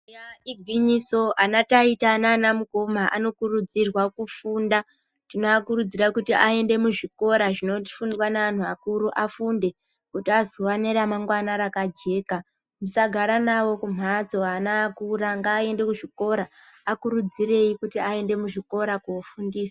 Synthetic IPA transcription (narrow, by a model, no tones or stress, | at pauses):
jaiɡʱwiɲiso̞ʔanataitanaːnamuko̞maʔa̰no̞kurud͡zirwakufuːnda | tinoakurud͡zirakutiʔae̞nde̞muʐiko̞ɾaʐino̞ti̥fundwanaan̤uakuɾuʔafunde̞ | kutiazowaneɾamaŋɡwanaɾakad͡ʒe̞ːka | musaɡʱaɾanawo̞kum̤at͡soanaːkuɾaŋɡaːe̞nde̞kuʐiko̞ɾaːkuɾud͡zire̞jikutiae̞nde̞muʐiko̞ɾakuːfundiːsḁ